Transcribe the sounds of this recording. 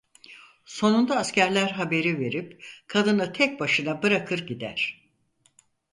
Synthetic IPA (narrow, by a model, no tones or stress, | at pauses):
so̞nund̪aːscæɾlʲæɾɦabe̞ɾive̞ɾipkʰad̪ɯnɯt̪ʰɛc̚baʃɯnabɯɾakʰɯɾɟid̪æɾ̥